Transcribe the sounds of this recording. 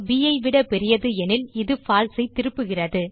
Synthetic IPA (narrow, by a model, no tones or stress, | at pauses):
ʋijɐɪʋɪɽɐpɛɾɪjɐðɯɛnɪlɪðɯfaːlsɐɪt̪ːɪɾɯpːɯɣɪrɐðɯ